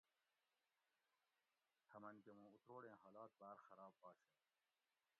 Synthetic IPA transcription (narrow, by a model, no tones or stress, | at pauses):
hʰɐmɐnɡemũːut̪ɾoːɽẽːɦaːlɑːt̪̚baːɾxɐɾɑːbːɑːɕe